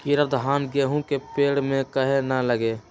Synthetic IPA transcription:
kiɾəd̪ʱɦaːnɡeɦũkepeːɽmẽkəɦenɐləɡe

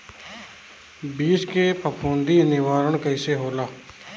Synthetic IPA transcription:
biːskepʰəpʰũːnd̪inɪʋaːɾəɽ̃kɐɪseɦoːlaː

